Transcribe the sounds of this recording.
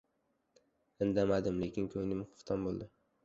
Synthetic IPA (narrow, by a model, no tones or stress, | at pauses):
ɪnd̪amad̪ɪmle̞kʲɪnkʲʰɵŋnɪmχʊ̥χt̪ʰanbolˠd̪ɪ